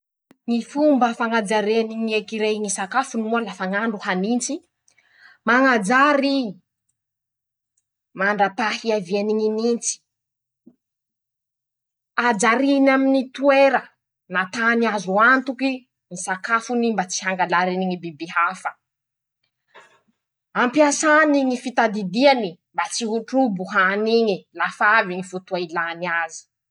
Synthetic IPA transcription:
ŋifumbəfaŋad͡zaɾeniŋekiɾejŋisakafunimualafaŋaɳɖ͡ʐuhanint͡si | maŋad͡zaɾii | maɳɖ͡ʐapahiavieniŋinint͡si̥ | ad͡zaɾinaminit̪ueɾə | nat̪aniazuant̪uki | nisakafunimbat͡si̥ɦaŋɡalaɾiniŋibibiɦafə | ampiasaniŋifit̪ad̪id̪ianimbat͡siɦuʈ͡ʂubuɦaniŋilafaviŋifut̪uailaniazi̥

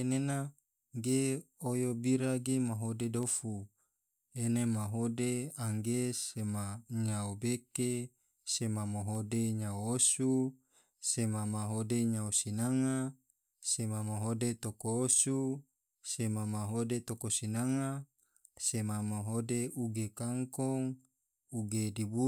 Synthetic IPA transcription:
enena | ɡe | ojobiɾaɡemaɦodedofu | enemaɦodeaŋɡesemaɲaobeke | semamaɦodeɲaoosu | semamaɦodeɲaosinaŋa | semamaɦodet̪okoːsu | semamaɦodet̪okosinaŋa | semamaɦodeʔuɡekaŋkoŋ | uɡedibu

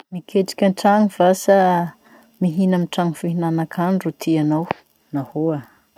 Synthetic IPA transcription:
mikʰeʈ͡ʂi̥kʲənʈ͡ʂaŋiv̥asa | miɦinamiʈ͡ʂaŋiv̥iɦinanakʰaɳɖ͡ʐut̪ʰianaw | nahoa

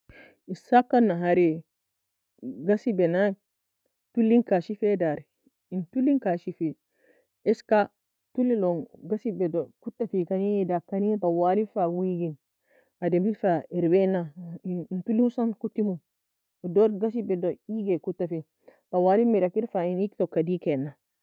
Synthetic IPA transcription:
isakːanːaɦaɾɛ | ɡasibɛna | tulːiŋkaʃifɛdaɾ | intulːiŋkaʃifɛ | ɛska | tulːilɔnɡasibɛdɔkutːafikanidakːanibawalifawiɡin | adembifaiɾwɛnantuliusankutːimu | dɔɾɡas̬ibɛdɔiɡɛkutːafi | bawalimiɾakiɾfainiktɔkːadikɛnːa

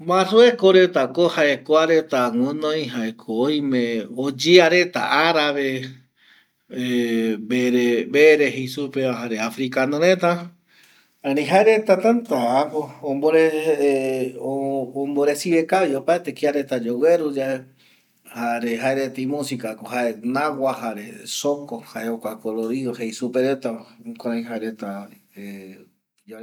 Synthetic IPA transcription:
mãruekoɾet̪akohaʔekoaɾet̪aŋõnõĩɦaekʰoːj̃mẽod͡ʒiaɾe̞t̪a̰ʔaɾaβe | beɾebeɾehisupeaɦaɾeafɾikanõɾet̪a | aɾĩɦaeɾet̪at̪ãnt̪aakoomboɾe | oomboɾesiβekaβiopaet̪ekiaɾet̪ad͡ʒoweɾud͡ʒae | haɾeɦaeɾet̪eimũsikakoɦaenawahaɾesokohaʔeokʷakoloɾiðohejsupeɾet̪akʷaɾãj̃ɦaeɾet̪ai | e | o

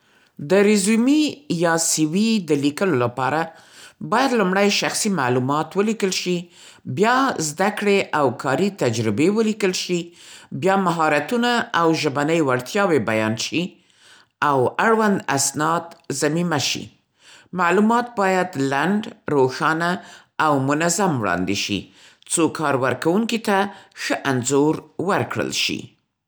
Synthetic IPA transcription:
d̪əɾɪzumijɑsiwid̪əlikəlolapɑɾa | bɑjad̪lumɽajʃaxsima̰ʕlumɑt̪wəlikəlʃi | bjɑzd̪akɽeʔawkʰɑɾit̪ad͡ʒɾɪbewəlikəlʃibjɑmaɦɑɾat̪unaawʒəbanəjwaɾt̪jɑwebajɑ̰nʃi | awaɽwand̪a̰snɑd̪zamimaʃḭ | malumɑt̪̚bɑjad̪laɳɖɾoxɑna | awmʊnazamwɽɑ̰nd̪eʃḭ | t͡sokɑɾwəɾkawuŋkit̪axəʔanzoɾwəɾkɽə̰lʃḭ

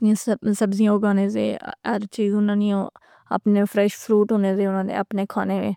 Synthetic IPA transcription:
niãssəbzijãːɡaːnẽːzḛːəɾt͡ʃiːzʊnãːniːõ | ə̰pneːpʰɾɛːʃpʰɾuːʈɦoːneːzeːʊnãːnḛːəpneːkʰa̰ːneːʋḛː

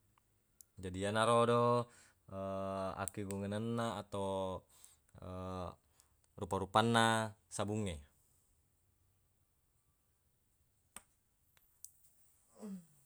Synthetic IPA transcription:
d͡ʒadianaɾodo | əa̰kiɡuŋənanːaːt̪aw | ə | rupaɾupanːasabuŋːe

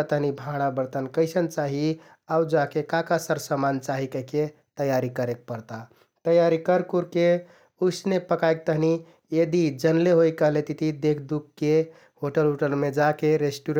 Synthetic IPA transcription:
t̪əɦnibʱãɽ̃abəɾt̪ənkəɪsənt͡ʃaɦi | aud͡ʒakekakasəɾsəmant͡ʃaɦikəɦke | t̪əjaɾikəɾek̚pəɾt̪a | t̪əjaɾikəɾkuɾke | usnepəkaek̚t̪əɦni | jed̪id͡ʒənleɦojkəɦlet̪it̪ʰid̪ekʰd̪ukkːe | ɦoʈəlɦoʈəlmed͡ʒakeɾesʈuɾ

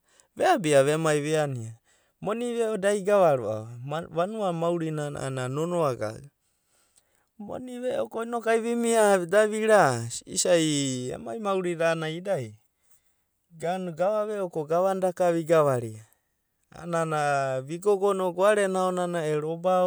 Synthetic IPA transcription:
βeabiaβemajβeania | moniβeodajɡaβaɾo̰a̰βaβanuamawɾinana̰nanonoaɡa̰w | mo̰niβeʔokoinokajβimiadaβiɾasḭsajḛmajmawɾiɾaːnaidaj | ɡanuɡaβaβeokoɡaβandakaβiɡaβaɾia | a̰nanaβiɡoɡonoɡoaɾenaonanaeɾoba

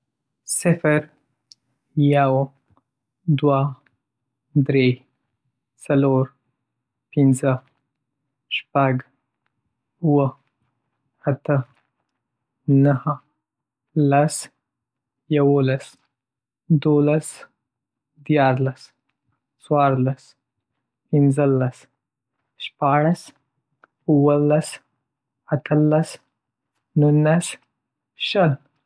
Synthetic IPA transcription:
sɪfəɾ | jaw | d̪wa | d̪ɾe | saloɾ | pɪnzə | ʃpaɡ | uwə | at̪ə | nahə | las | jawolas | d̪olas | d̪jɑɾlas | swɑɾlas | pɪnzəlas | ʃpɑɽas | uwəlas | at̪ʰəlas | nunas | ʃəl

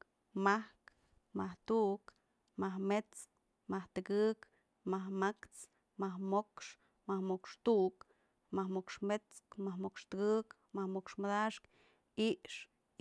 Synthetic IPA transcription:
mahk | maht̪uʔk | mahmet͡s | maht̪ɨkɨk | mahmakt͡s | mahmokʂ | mahmokʂt̪uʔk | mahmokʂmet͡skmahmokʂt̪ɨkɨk | mahmokʂmad̪aʂk | iʔʂ

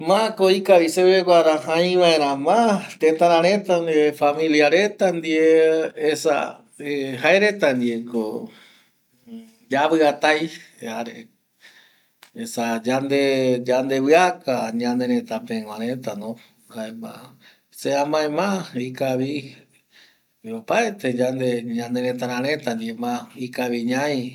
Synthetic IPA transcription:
mãkoikaβiseβeɡʷaɾahãj̃ʋãẽɾãmãt̪ẽt̪ãɾãɾẽt̪and̪iefamĩliaɾet̪and̪ieesa̰ | eɦaeɾet̪and̪ieko | d͡ʒaβɨat̪aj | aɾe | esad͡ʒand̪ed͡ʒand̪eβɨakaɲãnd̪ẽɾẽt̪apẽŋãɾet̪anõ | aema̰ | seamãẽmãikaβi | opaet̪ed͡ʒand̪eɲãnd̪eɾẽt̪aɾãɾẽt̪and̪iemãikaβiɲãj

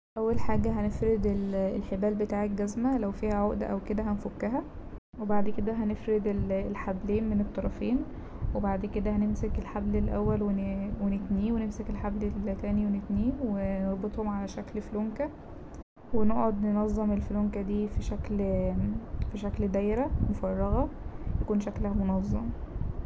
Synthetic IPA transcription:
ʔæwːælħaːɡæɦænefɾed̪elelħebæːlbet̪aːʕek̚ɡæzmælæwfiːhæʕoʔd̪æʔæwked̪æɦænfokːæɦæ | webaʕd̪ked̪æɦænefɾed̪elelħableːnmenet̪ˤːɑɾˤɑfiːn | webaʕd̪ked̪æhænemsekelħablelʔæwːælwewenet̪niːwenemsekelħablelt̪æːniwenet̪niːweneɾˤbet̪ˤhomʕalæʃæklfloŋkæ | weneʔʕod̪nenɑzˤːɑmelfloŋkæd̪iːfiʃækl | fiʃækld̪æjɾæmofɑrˤːɑɣɑjækuːnʃæklæhæmonɑzˤːɑm

